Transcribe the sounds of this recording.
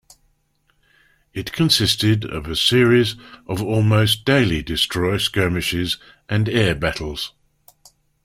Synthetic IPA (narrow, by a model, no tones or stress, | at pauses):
ɪtkʰə̃nsɪstɪdə̰vəsɪəɹizʔəvɔːlˠməʊsd̥eɪlidɪstɹ̥ɔɪskɜːmɪʃɪz | ʔə̃nɛːbætʰˡl̩ˠz̥